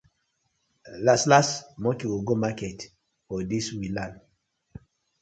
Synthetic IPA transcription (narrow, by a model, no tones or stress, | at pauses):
laslastmɔkiwuɡomakɛt | fɔdiswilãn